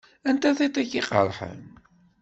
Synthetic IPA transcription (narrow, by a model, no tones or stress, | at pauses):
ænt̪æθit̪ˤiʝiqə̰ɾˤħə̰n